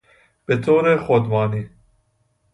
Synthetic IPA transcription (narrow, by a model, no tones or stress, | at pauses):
b̥et̪ʰoːɾexod̪bɑːniː